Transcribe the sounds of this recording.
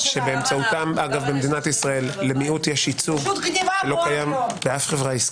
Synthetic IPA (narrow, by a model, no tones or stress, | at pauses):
ʃe̞beemt͡saut̪amaɡavbemed̪inat̪isʁae̞lːemiut̪jɛʃit͡suɡt̪ʃelo̞kajambeafχevʁaisk